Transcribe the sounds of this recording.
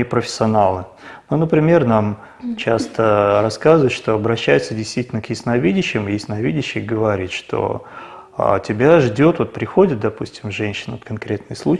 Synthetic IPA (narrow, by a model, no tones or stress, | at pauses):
ɪpɾəfʲɪ̥sʲɐnalˠɨ | nonəpɾʲɪmʲe̞rnam | t͡ɕast̪əɾɐskazəvət̪ʂt̪oɐbɾɐɕːæjɪt̪sədʲɪjst̪vʲitʲɪlʲnəkjɪsnɐvʲidʲɪɕːɪmjɪsʲnɐvʲidʲɪɕːɪɡəvɐɾʲit̪ʂt̪ʰo̞̰ | a̰tʲɪbʲaʐdʲo̞t̪vo̞t̪̚pɾʲɪxo̞dʲɪt̪̚d̪ɐpusʲtʲɪmʐɛnʲɕɪnot̪kɐnkɾʲe̞t̪nɨjslˠu